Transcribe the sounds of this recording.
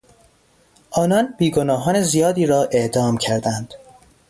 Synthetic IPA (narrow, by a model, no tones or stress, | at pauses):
ʔɒːnɒnb̥iːɡo̞nɒːɦɒːne̞zijɒːd̪iːɾɒːʔe̞ʔd̪ɒːmcʰæɾd̪ænd̪̥